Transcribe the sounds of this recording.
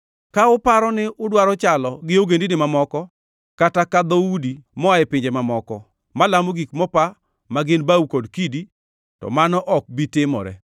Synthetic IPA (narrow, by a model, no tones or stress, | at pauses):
kaʊpaɾɔnɪʊdwaɾɔt͡ʃalɔɡɪoɡendinɪmamɔkɔ | katakad̪oudimɔaɪpɪɲd͡ʒemamɔkɔ | malamoɡikmɔpa | maɡɪnbaukodkidi | tɔ̰manɔʔɔk̚bitɪmɔ̰ɾɛ̰